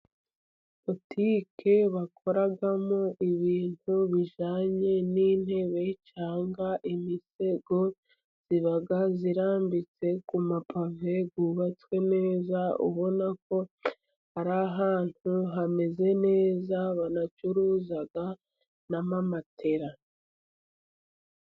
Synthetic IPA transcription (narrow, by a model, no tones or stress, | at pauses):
potʰiːkʰe̞βakʰo̞ɾaɡamoʔiβiːn̥huβiʒaːɲe̞niːn̥e̞βe̞jit͡ʃaːŋɡaʔimise̞ɡo̞ | z̥iβaɡaziɾaːmbit͡se̞kumapave̞ɡuβat͡swe̞ne̞ːzaṵβo̞nak̚o̞ | haɾaɦaːn̥huɦame̞ze̞ne̞ːzaβanat͡ʃuɾuːzaɡa | namamatʰe̞ɾa